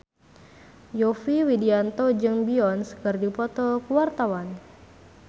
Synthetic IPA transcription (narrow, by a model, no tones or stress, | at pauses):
jɔfiwidiant̪od͡ʒɨŋbiɔnsə̥kɨrdipɔt̪ɔkuwart̪awan